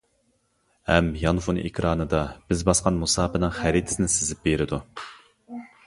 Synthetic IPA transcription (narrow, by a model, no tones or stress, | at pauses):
hɛmjɑnfunʔḛkʲʰɾɑːnɨd̪ɑb̥ɪzbɑsqɑnmusɑːpɨnɨŋχæɾit̪ʰɪ̥sɪnɪsɪzɪp̚beɾɪd̪u